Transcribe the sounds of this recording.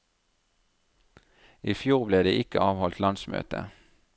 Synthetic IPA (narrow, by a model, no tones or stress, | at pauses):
iːfjuːʁbleːd̪eːʔɪkəʔɑːʋhɔlt̪lɑnsmø̰ːt̪ə̰